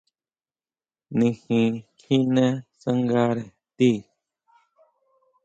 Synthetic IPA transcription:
nĩ˧hĩ˧kʰĩ˦nẽ˦sa˦ŋɡa˦ɾe˨ | t̪i˦˨

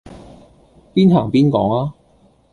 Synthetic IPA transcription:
piː˥nɦaː˨˩ŋpiː˥nkɔ̰ː˨˥ŋaː˦˥

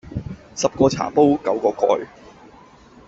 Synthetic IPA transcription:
sɐ˨p̚kɔː˧t͡sʰa̰ː˨˩po˥wkɐ˨˧˥wkɔː˧kɔ̰ː˧j

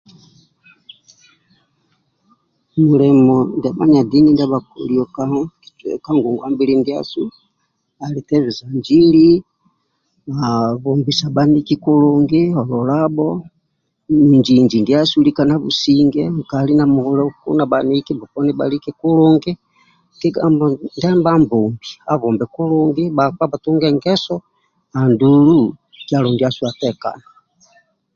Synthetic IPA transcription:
mu˨lɛ˨mɔ˨nda˨ma˦ɲa˨di˦ni˦nda˦βa˨kṵ˨liɔ˨ka˦ka˦ŋɡu˨ŋɡwa˦mbi˦lindia̰˦su˦ | a˨li˨tɛ˦βi˨za˨nd͡ʒi˦li˦ | aβɔ˨mbi˨sa˨ba˦niki˦ku˦luŋɡi˦ɔ˨lɔ˨la˦bɔ | ni˨ɲd͡ʒiɲd͡ʒi˨ndi˦a˦su˦likana˦βṵ˨siŋɡɛ˨kali˦na˨mu˨ulɛ˦kṵ˦na˨baniki˦ba˨pɔ˦nɛ˦ba̰˨likɛ˦ku˦lɔ˦ŋɡi˦ | ki˦ɡamndɛ˦mbambɔ˨mbi˨a˨βɔ˨mbɛ˨ku˦lɔ˦ŋɡibakwa˦ba˨tu˦ŋɡɛ˨ŋɡɛ˦sɔ˦ | a˨ndulu˦ | kja˨lɔ˨ŋɡi˦a˦su˦a˨tɛka̰˨na

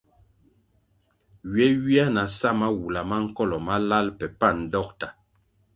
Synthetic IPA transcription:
ɥɛ˦wi˦a˦na˨sa˦˨ma˦wu˨la˨ma˦ŋ̩˦kɔ˦˨lɔ˨ma˦la˦lpɛ˨pa˦˨n˨dɔ˦k̚ta˨

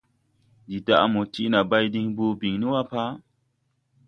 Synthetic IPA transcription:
di˨da̰˨ʔmo˨ti˦na˨ba˧jdĩ˧˦ŋbo˧bi˨ŋnĩ˦wa˦pa˦

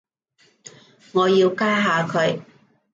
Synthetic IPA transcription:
ŋɔː˨˧jiː˧wkaː˥ɦaː˨˧kʰɵ˨˧˥ɥ

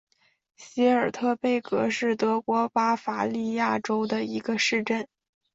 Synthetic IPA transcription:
ɕi˧˥ə˞˨˩t̪ʰɤ˥˧pe˥˩ɪkɤ˧˥ʂɻ̩˥˩t̪ɤ˧˥kwɔ˧˥pa˥fa˨˩li˥˧ja˥˩ʈ͡ʂo˥ʊd̪ə˨i˧˥ɡə˧ʂɻ̩˥˧ʈ͡ʂə˥˩n

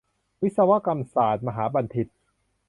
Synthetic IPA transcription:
wi˦˥t̪̚sa˧wa˦˥ka˧msaː˨˩t̪̚ma˧ɦaː˩˦˥ba˧nt̪ʰi˨˩t̪̚

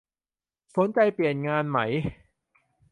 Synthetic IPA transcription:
sʰo˨˦nt͡ɕa˧jpli˨˩ənŋaː˧nma˦˩j

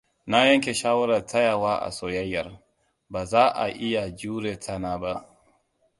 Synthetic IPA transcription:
na˦ja˦ŋkɛ˨ʃa˦wa˦ɾa˨ta˦ja˨wa˦ʔa̰˨sɔ˨ja˦jːa˨ɾ | ba˨za˦ʔa̰˨ʔi˦ja˨d͡ʒuː˦ɾɛ˨tʰa˦na˨˦ba˦˨

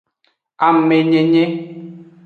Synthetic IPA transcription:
a˨m˨me˨ɲe˨ɲe˦

